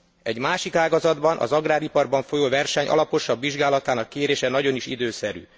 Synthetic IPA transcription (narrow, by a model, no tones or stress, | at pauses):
ɛɟmaːʃikaːɡɒzɒd̪bɒnʔɒ̰zɒɡraːɾipɒrbɒɱfo̞joːvɛrʃɛɲɒ̰lɒpo̞ʃɒbːiʒɡaːlɒt̪aːnɒkːeːɾeːʃɛnɒɟo̞niʃid̪øːsɛɾy̰ː